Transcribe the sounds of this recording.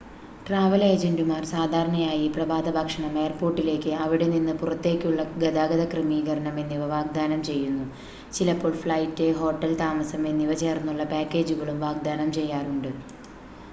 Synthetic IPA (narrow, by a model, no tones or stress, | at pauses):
ʈraːʋɐleːd͡ʑeɳdumaːrsaːd̪ʱaːɾɐɳɐjaːjiprɐbaːd̪ɐbʱɐkʂɐɳɐme̞ːrpo̞ːrʈːile̞ːkʲːɨɐʋiɽe̞ninːɨpurɐt̪ːe̞ːkʲːuɭːɐɡɐd̪aːɡɐðɐkrɨmiːɣɐɾɐɳɐme̞nːiʋɐʋaːɡ̚d̪aːnɐmt͡ɕe̞jːunːu | t͡ɕilɐpːoːɭfɭɐjtːeɦo̞ːʈːɐlt̪aːmɐsɐmenːiʋɐt͡ɕeːrnːuɭːɐpaːkːe̞ːd͡ʑuɣɐɭumʋaːɡ̚d̪aːnɐmt͡ɕe̞jːaːruɳɖɨ